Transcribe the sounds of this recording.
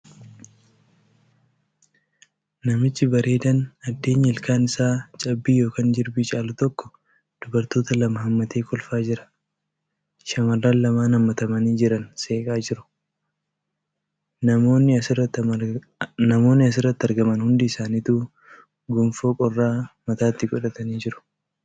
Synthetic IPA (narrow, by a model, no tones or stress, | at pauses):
nɐmɪt͡ʃːɪbɐɾe̞ːd̪ɐnɐd̪ːe̞ːɲːɐɪlkaːnɪsaːt͡ʃʼɐbːiːjo̞ːkaːnd͡ʒɪɾbit͡ʃʼaːlʊt̪ɔkːɔ̥ | d̪̥ʊbɐɾt̪o̞ːt̪ɐlɐmɐhɐmːɐt̪eːkɔlfaːd͡ʒɪɾɐ̥ | ʃɐmɐrːaːnlɐmaːnɐmːɐt̪ɐmɐniːd͡ʒɪɾɐnse̞ːkʼaːd͡ʒɪɾʊ̥ | ɐoːnːɪɐ | nɐmo̞ːnːɪɐs̬ɪrɐt̪ːɐɾɡɐmɐnhʊnd̪iːsaːniːt̪uː | ɡʊmfoːkʼɔrːaːmɐt̪aːt̪ːɪɡɔᶑɐt̪ɐniːd͡ʒɪɾʊ̥